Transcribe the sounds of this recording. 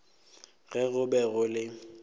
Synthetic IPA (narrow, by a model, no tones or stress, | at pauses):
ɣɛɣʊbɛɣʊlɪ